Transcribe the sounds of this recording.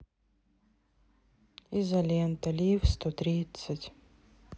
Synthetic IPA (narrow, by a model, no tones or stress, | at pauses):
izɐlʲent̪ɐlʲifst̪ot̪ɾʲit̪sɨtʲ